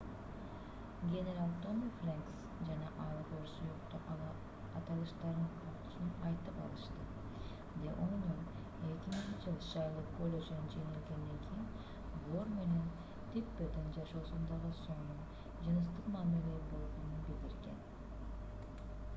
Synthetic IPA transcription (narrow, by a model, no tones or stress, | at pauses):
ɡʲe̞neɾalˠt̪omflʲeŋks | d͡ʒɑnɑʔɑlˠɡoɾsujuqt̪o | ɑt̪ɑlˠɯʃt̪ɑɾqʰoɾt̪u̥sunɑjt̪ɯpɑ̰lˠɯʃt̪ɯ | d̪eʔonun | et̪ʲimiikd͡ʒɑlˠʃɑjlˠɯqkolʲeʒinɯnd͡ʒeŋilɡend̪eŋkʲʰin | vˠoɾme̞ne̞n | t̪ipːed̪ind͡ʒɑʃo̞ːsund̪ɑʁɯso̞ŋnun | d͡ʒɯnɯst̪ɯqmɑːmile̞ɾbo̞lˠʁo̞nunbild̪iɾɡe̞̰n